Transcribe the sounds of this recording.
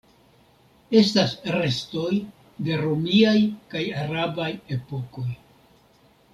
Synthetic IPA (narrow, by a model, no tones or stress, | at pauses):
e̞stasɾe̞sto̞j | de̞ɾomiajkajaɾabaje̞po̞ko̞j